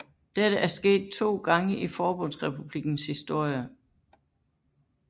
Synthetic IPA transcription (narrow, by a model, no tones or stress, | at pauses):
d̥eɾ̥əʔæɐsɡ̥e̝̰ːd̥̚t͡sʰo̝̰ːɡ̥ɑ̈ŋəʔifɒːb̥ɔ̽n̰sʁɛpʰub̥liɡ̥n̩shisd̥o̝ɐ̰jə